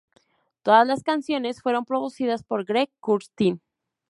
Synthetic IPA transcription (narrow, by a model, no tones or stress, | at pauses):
t̪o̞ðazlaskansjo̞ne̞sfwe̞ɾo̞mpɾo̞ðusiðaspo̞ɾɡɾekːuɾst̪in